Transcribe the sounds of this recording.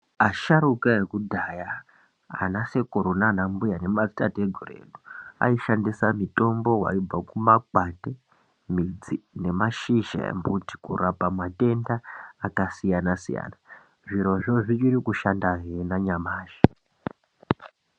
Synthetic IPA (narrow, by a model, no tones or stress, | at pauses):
aʃaɾukaekudʱaja̰ː | nase̞ko̞ɾonanambujane̞mad͡zi̥tateɡʱorḛːlua̰iʃandisamito̞mbo̞ɦwa̰ib͡vakumakwate | mid͡zine̞maʃiʒḛmbuti̥kṵrapamate̞ndaːkasijanasḭja̰ːna | ʐiɾo̞ʐoʐit͡ʃirikuʃandaɦenaɲamaːʒi̥